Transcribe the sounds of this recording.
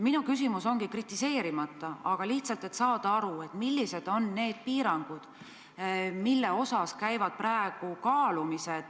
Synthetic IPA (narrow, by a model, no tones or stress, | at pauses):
minukysimuso̞ŋɡ̥ikrit̪ːˑise̞ːɾimɑt̪ːˑɑɑɡ̥ɑliht̪sɑlt̪ˑe̞t̪sɑːd̪̥ɑɑɾue̞t̪ˑmilːise̞d̪̥o̞nːe̞ːd̪̥̚piːɾɑŋɡ̥ud̪̥ | milːe̞o̞sɑskæjvɑd̪̥̚præeɡ̥ukɑːlumised̪̥